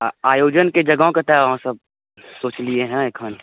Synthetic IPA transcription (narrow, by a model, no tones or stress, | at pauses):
aːjoːd͡ʒənked͡ʒɐɡõket̪ɛʋɦãsɐb̚ | soːt͡ʃlieɦɛ̃eːkʰɦən